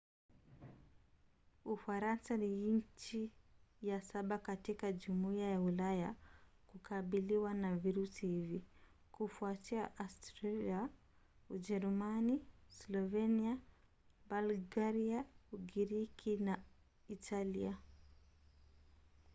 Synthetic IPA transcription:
ufaɾansaniiɲ̩t͡ʃijasaɓakatikaʄumuiajaulaja | kukaɓiliwanaviɾusihivi | kufuatiaʔastɾalia | ud͡ʒɛɾumanislɔvɛnia | balɡaɾiauɡiɾikʰina | itʰalia

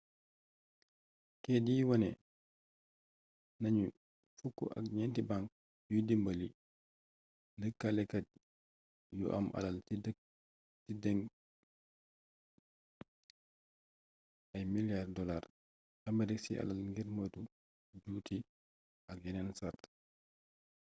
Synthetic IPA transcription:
kɛdiːwɐnɛ | nɐɲu | fukːṵʔɐ̰k̚ɲɛntibaŋk̚ | judimbəli | ndəkːalɛkɐt̚ | jṵʔɐ̰mʔɐ̰lal̚ | tidɛŋɡ | ɐjmiljardɔlar | ɐmɐɾiksiʔɐ̰lalŋɡiɾmətu | d͡ʒuti | ɐk̚jɛnɛnsart

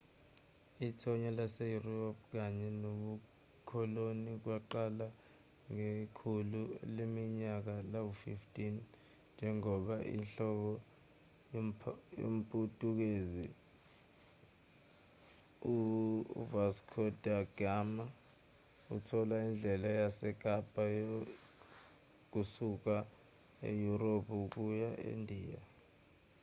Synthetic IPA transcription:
itʰɔɲɔlasɛjuriɔp̚k̬aɲɛnoɓu | kʰɔlonik̬waǃala | ŋekʰululemiɲak̬alawufiftʼin | nd͡ʒʱɛŋɔɓaʔḭnɬɔɓɔ | jo̰m̩pʼutʼuk̬ezi | uvaskʰɔdaɡ̥ama | ṵtʰɔlaind͡ɮʱɛlajasɛk̬ʼab̥ʱʼajo | k̬usuk̬a | ḛjuɾopʰuk̬ujaʔḛndʱiːja̰

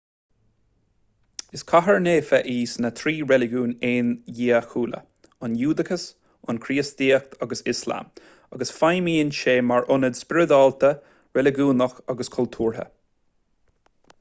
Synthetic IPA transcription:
ɪskʰaɦəɹneːfɛʔiːsnət̪ʰɾiːɹɛlɪɡuːneːnjiːəxuːlə̰ | ʊnjuːd̪əkʰəs | ʊnkʰɾiːəsd̪iːək̚t̪ʰaɡəsɪsla̰m | aɡəsfajmiːɪnʃeːmaɹʔʊnəd̪spɪɹɪd̪ɔːlt̪ə | ɹɛlɪɡuːnəxaɡəskʰɔlt̪ʰuːɹɦə̰

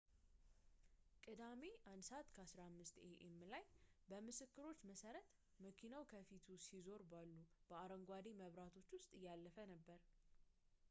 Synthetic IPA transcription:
kʼɨd̪ame̞ʔand̪səat̪kʰəasɾamːɨst̪eʔɛmːɨlajbəmɨsɨkːɨɾo̞t͡ʃːməsəɾət̪ | məkʰinawkʰəfit̪ʰusizo̞ɾbalːub̥əaɾəŋɡʷad̪eməβɾat̪ʰo̞t͡ʃːwʊst̪ʼɨjːalːəfənəbːəɾ

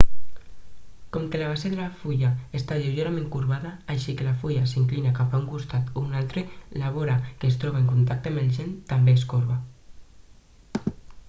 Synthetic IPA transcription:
kɔmkelaβ̞aseðelafuʎaest̪aʎewʒeɾamẽŋkuɾβaðaːʃikelafuʎasiŋklinakapauŋkust̪at̪unalt̪ɾelaβoɾakeːst̪ɾɔβ̞aeŋkunt̪ak̚t̪eambelʒent̪ambeːskoɾβa

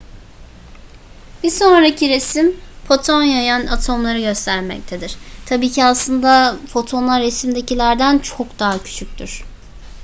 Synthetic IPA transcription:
b̥iso̞nɾacʰiɾesimpʰot̪ʰo̞njajanat̪ʰo̞mlˠaɾɯɟø̞st̪ʰæɾmɛ̰c̚t̪ʰe̞d̪iɾ̥t̪ʰabiːcʰiaslˠɯnd̪afo̞t̪ʰo̞nˠaɾesimd̪e̞cilʲæɾd̪ænt͡ʃʰokd̪aɦacʰy̥t͡ʃʰyc̚ʲt̪ʰyɾ̥

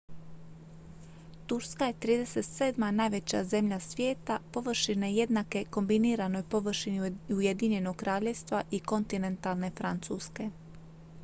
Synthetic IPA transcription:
t̪uɾskaje̞t̪ɾiːd̪e̞se̞t̪seːd̪manaːjʋe̞t͡ɕa̰ze̞mʎasʋʲje̞ːt̪apo̞ʋr̩ʃineje̞d̪nake̞ko̞mbiniːɾano̞jpo̞ʋr̩ʃiniuje̞d̪iɲe̞noɡ̚kɾʔaːʎe̞ʋst̪ʋaʔiko̞nt̪ine̞nt̪alˠne̞fɾant̪suːske̞

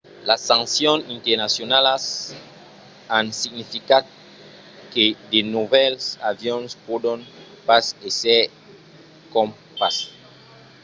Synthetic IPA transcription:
lasãŋsjonint̪eɾnasjonalas | ansiɡnifikad̪ | ked̪enuβɛlsaβjonspod̪on | paseseɾ | kom | pas

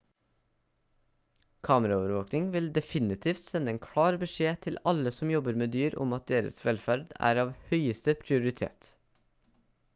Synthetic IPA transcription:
kʰɑːməɾɑoːʋəɾʋoːknɪŋʋɪld̪ɛfɪnɪt̪ʰiːft̪sɛnəɛːnkʰɽɑːɾbəʃeːt̪ʰɪlɑləsɔmjɔbəɾmeːd̪yːɾʔʊ̰mɑt̪̚d̪eːɾə̰sʋɛlfæɾd̪æ̰ːɾɑːʋhœʏəst̪əpʰɾɪʊɾɪt̪ʰḛːt̪

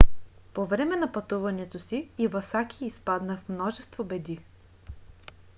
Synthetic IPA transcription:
povɾɛmɛnɐpɐt̪uvɐnɛt̪osiːvɐsakʲiːspad̪nəfmnɔʒɛst̪vobɛd̪i

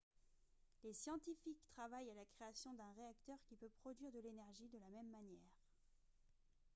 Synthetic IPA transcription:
lesjɑ̃t̪ifikt̪χavajalakχeasjɔ̃d̪ɛ̃ʁeakt̪œʁkʲipøpχɔd̪ɥiʁd̪əlenɛʁʒid̪əlamɛmːanjɛːʁ

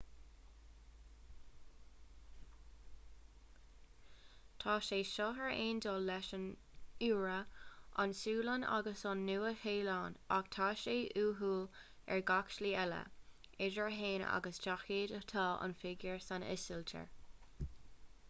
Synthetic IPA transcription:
t̪ʰɑːʃeːʃɔɦəɹeːnd̪oːlɛʃən | uːɹəʔa̰nsuːləna̰ɡəsɑnːuːəheːlɑːna̰ɡt̪ʰɑːʃeːʔuːɦuːl | ɛ̰ɹɡakʃliːɛlə̰ | ɪʒəɹɦeːnə̰a̰ɡəst͡ʃaxeːdətʰɑːʔɑ̰nfɪɡjəɹsanɪ̰sɪltʰə̰ɹ

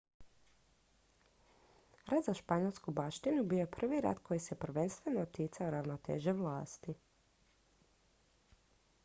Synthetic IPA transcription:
ɾʔad̪zaʃpaɲolˠskubaʃt̪inubio̞jepr̩ʋiɾa̰t̪kʰo̞jise̞pr̩ʋe̞nst̪ʋe̞noːt̪jit̪saoɾaʋnot̪ḛːʒeʋlaːst̪i

